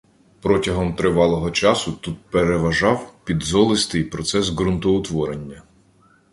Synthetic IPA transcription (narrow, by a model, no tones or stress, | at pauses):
pɾɔtʲɐɦɔmt̪ɾɪʋɑlˠɔɦɔt͡ʃɑsʊt̪ut̪̚peɾeʋɐʒɑwpʲid̪zɔlˠɪst̪ɪjpɾɔt̪sɛsɡɾʊnt̪ɔʊt̪ʋɔɾenʲːɐ